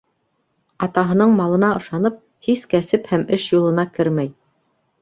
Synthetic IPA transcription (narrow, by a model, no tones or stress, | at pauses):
ɑt̪ɑɦɤ̆nɤɴmɑlˠɤ̆nɑɤ̆ʃɑnɤp̚ | hiskæsɘphæmɘʃjulˠɤ̆nɑkɘɾmæj